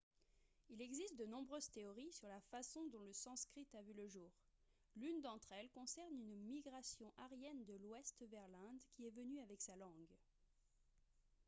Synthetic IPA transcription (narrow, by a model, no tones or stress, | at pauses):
ilɛɡzist̪̚d̪ənɔ̃bʁøzt̪eɔʁisyʁlafasɔ̃d̪ɔ̃ləsɑ̃skχit̪avyləʒuːʁ | lynd̪ɑ̃t̪χɛlkɔ̃sɛʁnynmiɡʁasjɔ̃ʔaʁjɛnd̪əlwɛst̪vɛʁlɛ̃d̪kʲiɛvənyavɛksalɑ̃ɡ